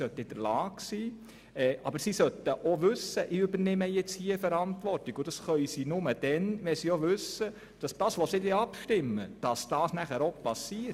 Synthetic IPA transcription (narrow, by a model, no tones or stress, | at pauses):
sœtəɪd̥əɾlɑːɡsiː | ɛːʔɑbəɾsisœtəʔɔʋʉsːəʔɪʏbəɾnɪməjɛt͡shiːəfɛɾɑntʋɔrtɪɡʊd̥ɑsχœʏsiːnʊməd̥ɛnʋɛsioʋʉsːə | d̥ɑsd̥ɑːsʋɔsɪdɛɑpʃtɪmːəd̥ɑsd̥ɑːsnæχæɾopɑsiː